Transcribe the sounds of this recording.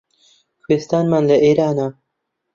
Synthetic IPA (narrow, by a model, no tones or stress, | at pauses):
xweːst̪aːnmaːnlɐʔeːɾaːna